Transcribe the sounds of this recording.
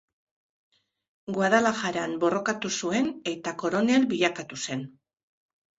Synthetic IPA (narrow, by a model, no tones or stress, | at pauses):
ɡwaðalaxaɾanbo̞ro̞kat̪usue̞ne̞t̪ako̞ɾo̞ne̞lbiʎakat̪use̞n